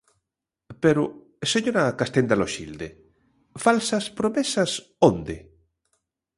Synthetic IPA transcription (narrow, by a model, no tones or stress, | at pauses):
peɾo | seɲoɾakast̪end̪aloʃḭld̪e | falsaspɾomesas | ond̪ḛ